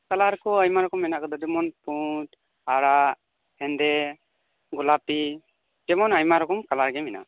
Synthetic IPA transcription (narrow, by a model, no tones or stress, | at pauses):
kalaɾkɔəjmaɾɔkɔmːɛnakɔd̪ɔd̪ɛmɔnput | aɾaʔ | hɛnd̪ɛ | ɡɔlapi | d͡ʒɛmɔnajmaɾɔkɔmkalaɾɡɛmɛna̰